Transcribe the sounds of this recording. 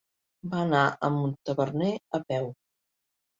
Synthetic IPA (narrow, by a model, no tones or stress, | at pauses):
baənaʔəmunt̪əβərneəpɛw